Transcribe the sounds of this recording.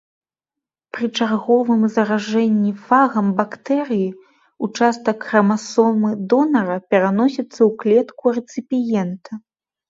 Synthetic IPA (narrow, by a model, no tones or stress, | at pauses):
pɾɨt͡ʂarɣɔvɨmzɐɾaʐɛnʲːifaɣɐmbakt̪ɛɾɨji | ut͡ʂast̪ɐkːɾɐmasɔmɨd̪ɔnɐɾɐpʲɛɾanɔsʲɐt̪sːɐwklʲɛt̪kurɛt̪sɨpʲijɛnt̪ɐ